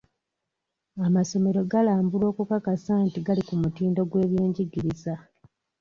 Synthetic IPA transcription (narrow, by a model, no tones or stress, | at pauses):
amaso̞me̞ɾo̞ɡalaːmbulo̞ːkukakasaːntiɡalikumutiːndo̞ɡwe̞ːβje̞ːɲɟiɡiɾiza